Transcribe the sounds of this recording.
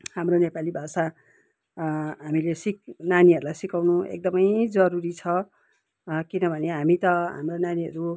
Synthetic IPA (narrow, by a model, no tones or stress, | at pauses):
hamronepalibʱasa | ɦamilesik̚naniɦʌɾulajsikawnũḛk̚d̪ʌmʌjd͡zʌɾuɾit͡sʰʌ | kinʌbʱʌneɦamit̪ʌɦa̰mronaniɦʌɾu